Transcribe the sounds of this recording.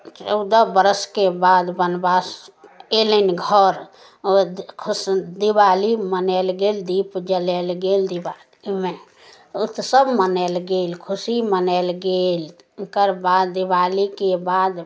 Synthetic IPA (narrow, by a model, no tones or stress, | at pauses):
t͡ʃəʊd̪əbəɾəskebad̪bənbaselənɡʱəɾ | kʰusd̪ibalimənɛlɡeld̪ipd͡ʒəlɛlɡeld̪ibalime | ut̪səbmənɛlɡelkʰusimənɛlɡel | kəɾbad̪ibalikebad̪